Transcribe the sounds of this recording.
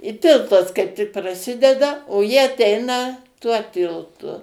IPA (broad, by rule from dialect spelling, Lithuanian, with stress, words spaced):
ɪ ˈtʲɪlˠtɐs kɐɪp tʲɪk prɐˈsʲɪdʲɛdɐ oː ˈjɪ ɐˈtʲɛɪnɐ tuɔ ˈtʲɪlˠtʊ